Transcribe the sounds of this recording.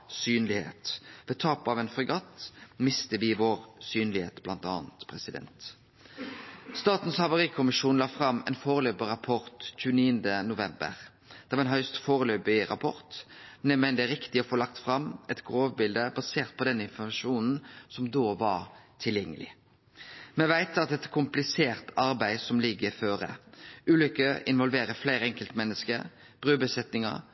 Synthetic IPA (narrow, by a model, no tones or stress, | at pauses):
syːnlɪhḛːt̪ʋɛt̪ʰɑːpɑʋɛːnfɔʁɡɑt̪ːmɪst̪əʋɪʋoːʁsyːnlɪhḛːt̪blɑnt̪ɑ̰ːnt̪pʰʁɛsɪd̪ɛ̰nt̪ | st̪ɑːt̪n̩shɑʋʊʁiːkʰʊmɪʃuːnlɑːfʁɑmːɛ̰nfoːʁəløːbəɾɑpʰɔʁt̪c͡çʉːəniːənd̪ənʊʋɛmbə̰ʁ | d̪̥ɛʋɑɾʁɛnɦœʏst̪foːʁəløːbɪɾɑ̰pʰɔɾt̪nɛmɛnd̪ɛɾɪkt̪ɪɔfoːlɑkt̪fʁɑmːɛt̪ɡʁoːʋbɪld̪əbɑseːʁt̪̚pʰɔd̪ɛnːəɪnfɔmɑʂuːnn̩sɔmd̪oːʋɑɾt̪ʰɪljɛŋːəlɪ̰ | mɛʋæɪt̪ɑt̪̚d̪ɛt̪ːkʰʊmplɪseːʁt̪ɑɾbæɪsɔmlɪɡːəføːɾə̰ʉːlʏkːəɪ̰nʋɔlʋeːɾəflæɪɾəɛŋkəlt̪mɛnːəskə | b̥ʁʉːbəsɛt̪nɪŋə̰